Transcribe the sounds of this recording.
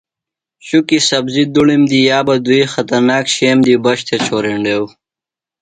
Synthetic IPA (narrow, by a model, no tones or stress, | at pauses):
ɕukisɐbzid̪uɭimd̪ijaːbad̪ujxɐt̪ɐɾnaːkɕeːmd̪ibɐɕt̪ʰet͡ɕʰoːɾeɳɖeːw